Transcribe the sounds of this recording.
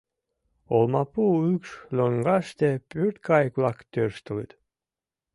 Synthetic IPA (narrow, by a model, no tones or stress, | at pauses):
olˠmɑpuːykslʲoŋɡɑst̪epyɾt̪kɑjklɑkt̪øɾst̪ulit̪